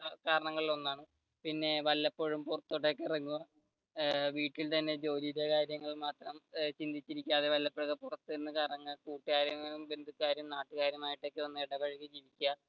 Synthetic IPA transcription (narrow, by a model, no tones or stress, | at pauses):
kaːɾɐɳɐŋːɐɭilo̞nːaːɳɨ | pinːe̞ʋɐlːɐpːoːɻumpurɐt̪ːoʈːe̞kːerɐŋːuɐ | ʋiːʈːilt̪ɐnːe̞d͡ʑo̞ːliɾɐkaːɾjɐŋːɐɭmaːt̪rɐmt͡ɕind̪ʱit͡ɕːiɾikʲːaːðeʋɐlːɐpːouɣɐpurɐt̪ːɨiɾunːɨkaːɾɐɳɐŋːɐɭkuːʈːikaːɾjɐmumbe̞nd̪ʱukːaːɾjɐmnaːʈːɨkaːɾjɐmaːjiʈːeo̞kːeonːɨeɽɐbɐɻikʲːɨd͡ʑiːʋikʲːuɣɐ